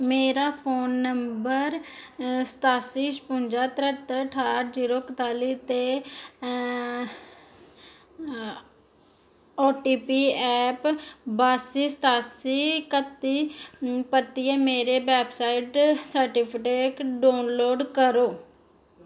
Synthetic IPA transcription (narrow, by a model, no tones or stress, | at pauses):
meːɾaːpʰoːnːəmbəɾsə̥t̪aːsiːʃpʊɲd͡ʒaːt̪ɾət̪əəʈʰaːɾziːɾoːkət̪aːliːt̪eː | oːʈiːpiːɛːpbaːsiːst̪aːsiːkət̪ːiːpət̪iːɛːmeːɾeːbɛːpsaːɪʈsəɾʈɪpʰkeːʈɖaːnloːɖkəɾoː